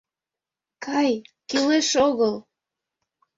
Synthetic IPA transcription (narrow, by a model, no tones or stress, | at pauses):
kʰɑjkileʃoɣəl